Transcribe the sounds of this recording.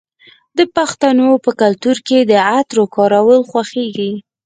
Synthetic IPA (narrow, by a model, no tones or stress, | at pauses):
d̪əpaxt̪anopəkalt̪uɾked̪əat̪ɾokɑɾawəlxwaxeɡi